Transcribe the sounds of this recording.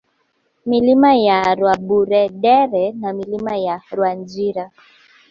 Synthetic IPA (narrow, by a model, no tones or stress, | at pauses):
milimajaɾwaɓuɾɛɗɛɾɛnamilimajaɾwand͡ʒiɾa